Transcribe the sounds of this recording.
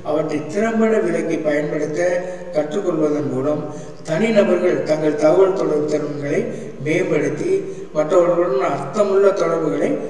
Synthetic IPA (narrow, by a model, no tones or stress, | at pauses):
ɐʋɐʈrɐɪt̪ɪɾɐmbɐɽɐʋɪɭɐɪkːɐpɐjɐnpɐɽɯt̪ːɐ | kɐʈrɯkːɔɭʋɐðɐnpuːɽɐm | t̪ɐnɪnɐbɐɾɣɐɭt̪ɐŋɡɐɭt̪ɐʋɐɭt̪ɔɽɐʋɯt̪ːɐɾɯŋɡɐɭɐɪ | meːmbɐɽɯt̪ːi | mɐʈrɐɽɐbɐɽɐmɐɾt̪ːɐmʊɭːɐt̪ɔɽɐɾʋɯɣɐɭɐɪ